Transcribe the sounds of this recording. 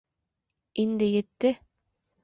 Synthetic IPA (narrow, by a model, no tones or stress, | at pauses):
ind̪ɘjɘ̆t̪ːɘ